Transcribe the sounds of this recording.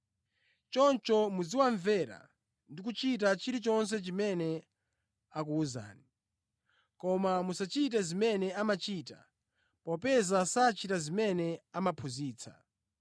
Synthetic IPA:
t͡ʃɔnt͡ʃɔmud͡ziwaɱvɛɾa̰ | ndik̬ut͡ʃit̬at͡ʃiɾit͡ʃɔns̬ɛt͡ʃimɛnɛ | ak̬uːza̰ːni | kɔmamusat͡ʃit̬ɛzimɛnɛamat͡ʃiːta̰ | pɔpɛzasat͡ʃitazimɛnɛamapʰuziːt͡sʰa̰

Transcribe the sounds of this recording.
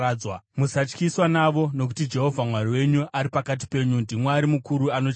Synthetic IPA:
wamusat͡ʃkiswanaʋo̞no̞k̬u̥tid͡ʒe̞ɦo̞vʱamwariwe̞ɲuʔaɾipakat̬i̥pe̞ɲundimwaːɾimukuɾuano̞t͡ʃ

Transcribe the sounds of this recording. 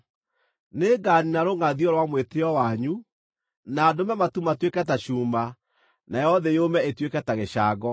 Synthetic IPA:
neɡaninaɾoŋaðiɔɾwamweteɔwaɲu | nadomɛmatumatwekɛtaɕuːma | najɔðejomɛetwekɛtaɣeɕaːɡɔ

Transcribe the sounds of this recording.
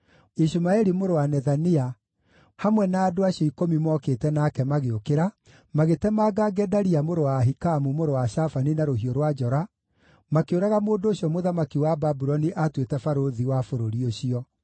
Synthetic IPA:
iʃumaɛɾimoɾowanɛðania | hamwɛnaːdoaɕɔikomimɔketɛnaːkɛmaɣeokeɾa | maɣetɛmaːɡaɡɛdaɾiamoɾowaɦikamumoɾowaʃafaninaɾoɦioɾwad͡ʒɔɾa | makeoɾaɣamoːndoːɕiɔmoðamakiwababuɾɔniʔatwetɛfaɾoðiwafoɾoɾioɕiɔ

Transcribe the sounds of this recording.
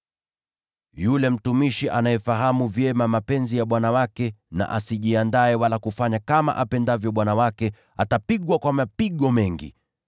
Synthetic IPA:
julɛm̩tumiʃiʔanajɛfaɦamuvjɛmamapɛnzijaɓwanawakɛna̰ʔasiʄiandaɛwalakufaɲakama̰ʔapɛndavjɔɓwanawakɛ | atapiɠwakwamapiɠɔmɛŋɡḭ

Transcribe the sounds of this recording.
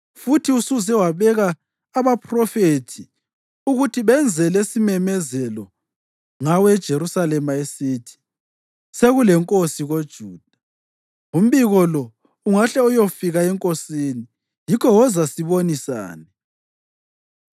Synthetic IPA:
futʰiusuzɛwaβɛɣaː | βapʰrɔfetʰi | uɣutʰiβɛnd͡zʱɛlesimɛmɛzɛlɔ | ŋawɛd̥ʒ̥ʱeɾusalɛmaesiːtʰi̥ | seɣulɛŋkʼosiɣod̥ʒ̥ʱuːd̥ʱa | um̩βiɣɔlɔ | uŋaɬɛɔjofiɣaɛŋkʼosiːni | jikʰɔwɔzasiβonisa̰ːnɛ

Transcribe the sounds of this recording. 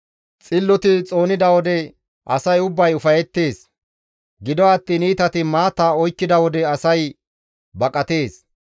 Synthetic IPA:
t͡sʼɪlːɔt̪ɪt͡sʼo̞ːnɪd̪ɐwɔd̪ɛ | ʔɐsɐjʊbːɐjʊfɐjɛt̪ːe̞ːs | ɡɪd̪ɔɐt̪ːiːniːt̪ɐt̪ɪmaːt̪ːaːɔjkːɪd̪ɐwɔd̪ɛɐsɐj | bɐkʼːɐt̪e̞ːs

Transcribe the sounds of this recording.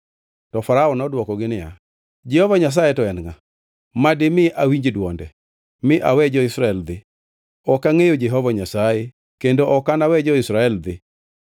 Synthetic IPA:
tɔfaɾaɔnɔdwɔkɔɡɪnɪja̰ | d͡ʒɛhɔvaɲas̬ajɛtɔɛnŋa | madɪmɪʔawiɲd͡ʒedwɔndɛ | mɪʔawɛd͡ʒɔɪsɾaɛld̪ɪ | ɔkaŋejod͡ʒɛɦɔvaɲasaje | kendoʔɔkanawɛd͡ʒɔɪsɾaɛld̪ɪ

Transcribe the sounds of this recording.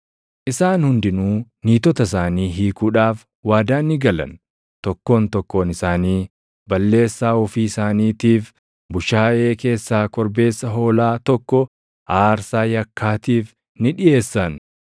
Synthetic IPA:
ʔɪsaːnhʊnd̪ɪnuːniːt̪ɔt̪ɐs̬aːniːɦiːkuːᶑaːf | waːd̪aːnːɪɡɐlɐ̰n | t̪ɔkːo̞ːnt̪ɔkːo̞ːnɪsaːniː | bɐlːe̞ːsːaːʊfiːɪsaːniːt̪iːf | bʊʃaːʔe̞ːke̞ːsːaːkɔɾbe̞ːsːɐɦo̞ːlaːt̪ɔkːɔ | ʔaːɾsaːjɐkʰːaːt̪iːf | nɪᶑɪje̞ːsːɐn

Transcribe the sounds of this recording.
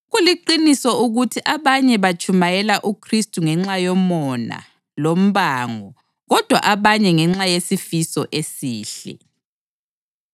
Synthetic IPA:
ɣuliǃinisɔʔuɣutʰiʔaβaɲɛβat͡ʃʰʼumajɛlaʔukʰristʼuŋɛŋ͡ǁajɔmɔna̰ | lom̩βaːŋɔ | ɣɔd̥ʱwa̰ʔaβaɲɛŋɛŋ͡ǁajesifisɔʔesiːɬɛ̰

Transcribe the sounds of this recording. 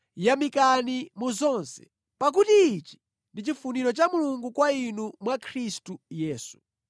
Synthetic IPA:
jamikanimuzɔnsɛ̥̰ | pak̬utiːt͡ʃi̥ | ndit͡ʃifuniɾɔt͡ʃamuluŋɡukwainumwakʰɾistujɛːsu̥

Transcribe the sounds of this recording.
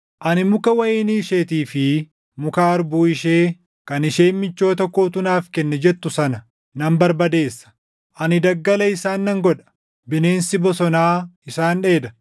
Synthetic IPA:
ʔɐnɪmʊkɐwɐjeːniːʃeːt̪iːfɪ | mʊkaːɐɾbuːɪʃeː | kɐnɪʃe̞ːnmɪt͡ʃːo̞ːt̪ɔkːoːt̪ʊnaːfkɛnːɛd͡ʒɛt̪ːʊsɐnɐ | nɐmbɐɾbɐd̪e̞ːsːɐ̥ | ʔɐnɪd̪ɐɡːɐlɐɪsaːnːɐŋɡɔᶑɐ̥ | bɪne̞ːnsɪbɔsɔnaːɪsaːnᶑe̞ːd̪ɐ

